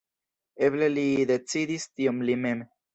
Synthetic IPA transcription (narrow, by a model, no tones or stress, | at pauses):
e̞ble̞lid̪e̞t͡sidistiomlimen